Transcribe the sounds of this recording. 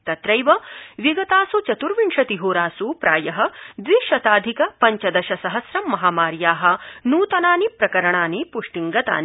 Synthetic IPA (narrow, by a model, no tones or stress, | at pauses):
t̪ɐt̪ɾɐjʋɐʋiɡɐt̪aːsut͡ʃɐt̪uɾʋiɳʂɐt̪iɦuːɾaːsupɾaːjɐɦɐ̆d̪ʋiʃɐt̪aːd̪ʱikɐpɐɲt͡ʃɐd̪ɐʃɐsɐɦɐsɾɐmːɐɦaːmaːɾjaːɦɐ̆nuːt̪ɐnaːnipɾɐkɐɾɐɳaːnipuʂʈiŋɡɐt̪a̰ːni